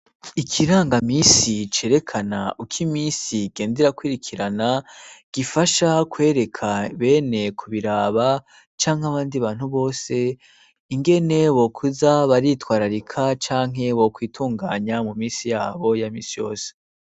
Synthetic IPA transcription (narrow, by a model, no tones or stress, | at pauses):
ikʰiɾaːŋɡamiːsit͡ʃe̞ːɾe̞kʰanaʔukʰimiːnsiɡ̥e̞ːnde̞ɾakwiɾikʰiɾanaɡ̥ifaʃakwe̞ːɾe̞kʰaβe̞ːne̞kʰuβiɾaːβa | t͡ʃaːŋhaβaːndiβaːn̥huβo̞ːse̞ | iŋɡe̞ne̞βo̞kʰuzaβaɾitwaːɾaɾikʰat͡ʃaːŋ̥ɦe̞βokwiːtʰuːŋɡaːɲamumiːnsijaːβo̞jamiːsijo̞̰ːse̥